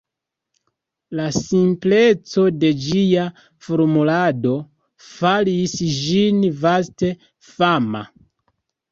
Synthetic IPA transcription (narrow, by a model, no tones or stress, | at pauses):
lasimple̞t͡so̞de̞d͡ʒia | foɾmulado̞ | falisd͡ʒinvaste̞ | fama̰